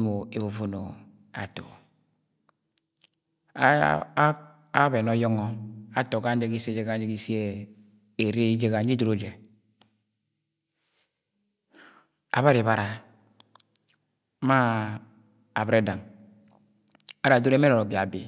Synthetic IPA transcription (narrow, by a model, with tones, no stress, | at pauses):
mo˨e˨βu˨vo˦no̰˨ | a̰˨to̰˨˦ | a˦be˨no˦jɔ˦ŋɔ˦a˦to˨ka˦n̩˦d͡ʒe˦ki˦se˦d͡ʒe˦ka˦n˦d͡ʒe˦ki˦si˦e˦ | e˨ɾe˦d͡ʒe˦ɣa˨n̩˦d͡ʒi˦do˦ɾo˨d͡ʒe˨ | a̰˨βa˦ɾe˨βa˨ɾa˨˦ | ma˦ | a˨bɾe˦da˨ŋ | a˦ɾa˨do˦ɾe˦me˦ɾo˨ɾo˨bi˨a˨bḭ˨